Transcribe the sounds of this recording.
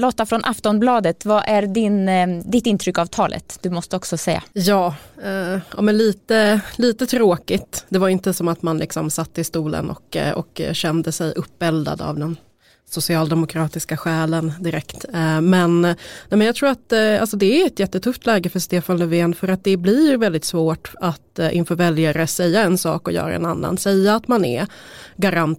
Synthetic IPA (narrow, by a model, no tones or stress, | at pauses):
loːt̪ːafɾɔnʔaft̪ɔnblɑːd̪ət̪vaʔæɾɖɪnd̪ɪt̪ːɪnt̪ʰɾʏkːavt̪ʰɑːlʔə̰t̪d̪̥ɵmɔst̪əɔksɔsɛjːa̰jɑːɛʔɑ̰ːmɛnliːt̪əliːt̪ət̪ʰɾoːkɪt̪d̪ɛvaɾɪnt̪əsɔmat̪manlɪ̰ksɔmsat̪ːəɪst̪uːlə̰nʔɔ̰kɔ̰kɕɛnd̪əsɛjɵpːɛld̪a̰d̪a̰vd̪ɛn | sʊsɪɑːld̪ɛmʊkʰɾɑːt̪ɪskaɧɛːlənd̪ɪɾɛkt̪mɛnnɛmɛnjɑt̪ʰɾuːɾat̪a̰lsɔd̪ɛæɛt̪jɛt̪ːət̪ʰɵft̪ʰlɛːɡəfœɾʂt̪eːfanlɵveːnfœɾat̪̚d̪ɛblɪvɛld̪ɪt̪svoːʈat̪ɪ̰nfœːɾvɛljaɾəsɛjːaɛnsɑ̰ːkɔjœ̰ːɾa̰ɛ̰nanːa̰nsɛjːaːt̪manɛ̰ɡaɾan